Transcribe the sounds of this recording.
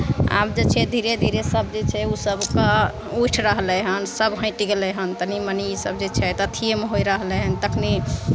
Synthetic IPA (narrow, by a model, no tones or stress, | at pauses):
a̰bd͡ʒet͡ʃʰɛd̪ʱiɾed̪ʱiɾesəbd͡ʒet͡ʃʰɛusəbka | uʈʰɾəɦlɛɦənsəbɦə̃ʈiɡelɛɦənt̪ənimənisəbd͡ʒet͡ʃʰɛt̪ət̪ʰijemeɦojɾəɦlɛɦənt̪əkʰni